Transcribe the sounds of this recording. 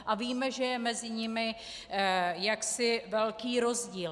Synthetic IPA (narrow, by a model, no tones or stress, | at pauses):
ʔaviːmɛʒɛjɛmɛzɪɲɪmɪ | jaksɪvɛlkiːɾo̞zɟiːl